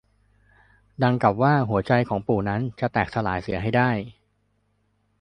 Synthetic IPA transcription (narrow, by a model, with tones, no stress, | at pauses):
da˧ŋka˨˩p̚waː˥˩ɦu˩˦ɐt͡ɕa˧jkʰɔː˩˦ŋpuː˨˩na˦˥nt͡ɕa˨˩t̪ɛː˨˩k̚t̪ʰa˧la̰ː˩˦jsi˨˩˦ɐɦa˥˩jdaː˥˩j